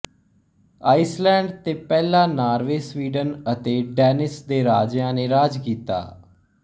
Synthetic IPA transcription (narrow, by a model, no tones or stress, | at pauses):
aːɪslɛ̃ːɳɖt̪eːpɛːlãːnaːɾʋeːsʋiːɖənət̪eːɖɛːnɪsd̪eːɾaːd͡ʒjãːneːɾaːd͡ʒkiːt̪a̰ː